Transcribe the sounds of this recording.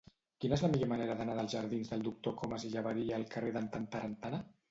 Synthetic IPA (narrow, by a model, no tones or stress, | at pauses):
kinəezləmiʎomaneɾəðənaðəlˠzʒəɾðinzðəlˠd̪uk̚t̪okoməziʒaβaɾiaːlˠkəreðənt̪ant̪aɾənt̪ana